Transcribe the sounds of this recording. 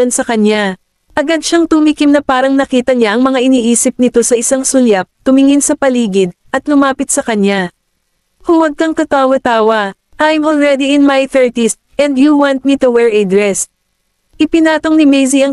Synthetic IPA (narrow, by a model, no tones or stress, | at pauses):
ɐnsɐkɐɲa | ʔɐɡad̪̚ʃaŋt̪ʊmikɪmnɐpaːɾɐŋnɐkiːt̪ɐɲaʔɐŋmɐŋaʔɪniːʔiːsɪp̚nɪt̪o̞sɐʔɪsaŋsʊljap̚t̪ʊmɪŋɪnsɐpɐliːɡɪd̪̚ʔɐt̪lʊmaːpɪt̪̚sɐkɐɲa | kʊŋwɐɡ̚kɐŋt̪ɐt̪aːwɐt̪aːwɐ | ʔajmʔolɹɛd̪iɪnmajθɛɹt̪isʔɛ̃nd̪juwãnt̪̚mit̪uwɛɹʔɛd̪ɹɛs | ʔɪpɪnaːt̪o̞ŋnɪmɛjziɐŋ